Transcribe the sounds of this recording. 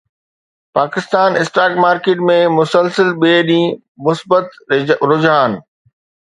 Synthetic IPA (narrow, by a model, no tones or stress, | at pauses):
paːkɪst̪aːnɪsʈaːkmaːɾkeːʈmẽmʊsəlsəlɓeːɗĩː | mʊsbət̪ɾʊd͡ʑɦaːn